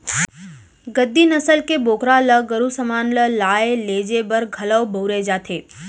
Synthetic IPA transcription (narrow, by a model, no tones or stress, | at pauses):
ɡəd̪ːinɐsəlkeboːkɾaləɡɐɾusɐmaːnləlaːeleːd͡ʒebɐɾɡʱɐləwbɐʊɾed͡ʒaːt̪ʰeː